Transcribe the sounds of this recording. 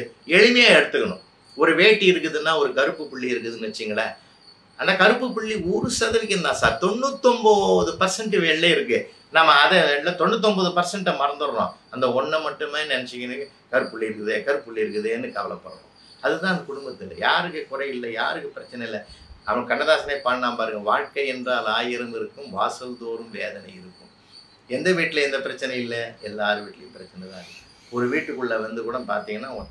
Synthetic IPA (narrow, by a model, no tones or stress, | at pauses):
ɛɻɪmɐjaːɛɽɯt̪ːɯkːɐɳʊ̰̃ | ɔɾɯʋeːʈːiɪɾɯkːɯðɯnːaːɔɾɯkɐɾɯpːɯpɪɭːiɪɾɯkːɯðɯnɯʋɛt͡ʃːɪjŋɡɐɭɐ | ɐnd̪ɐkɐɾɯpːɯp̬ɪɭːiuːɾɯsɐðɐʋɪk̬ːɯɾɯnd̪ãːsaːɾt̪ɔɳːɯt̪ːɔmboðɯpɐɾsɐɳʈːɯʋɛɭːɐɪɾɯkːɯ | naːmɐːðɛɛɭːɐt̪ɔɳːɯt̪̬ːɔmbɐðɯpɐɾsɐɳʈːɐmɐɾɐnd̪ɯɾɐɾõ̰ːɐnd̪ɐɔɳːɐmɐʈːɯmenɛnɛt͡ʃːɪkːɐnɯ | kɐɾɯpːɯɭːiɪɾɯkːɯðekɐɾɯpːɪɭːiɪɾɯkːɯðɯnːɯkɐʋɐlɐpːɐ̰ɾɐʋõ̰ | ɐðɯt̪ãːɐnd̪ɐkʊɽʊmbɐt̪ːɪlːɐ̰jaːɾɯkːɯkʊɾɐɪɪlːɐjaːɾɯkːɯpɪɾɐt͡ʃːɐnɐɪlːɛɐʋɐkɐɳːɐðaːsɐnɐɪpaːɳnaːmpaːɾɯŋɡɐ̃ʋaːɻkɐɪɛndraːlaːjɪɾɯmɪɾɯkːɯ̃mʋaːsɐʋd̪oːɾɯmʋeːðɐnɐɪɪɾɯkːɯ̰̃m | ɛnd̪ɐʋiːʈːɪlɐɛnd̪ɐpɪɾɐt͡ʃːɐnɐɪlːɐɛlːaːɾɯʋiːʈːɪlɐ̰jɯ̃mpɪɾɐt͡ʃːɐnɐt̪ãːɪɾɯkːɯ | ɔɾɯʋiːʈːɯkːɯɭːɐʋɐnd̪ɯkuːɽɐnpa̰ːɾt̪iːŋɡɐnːaːɔ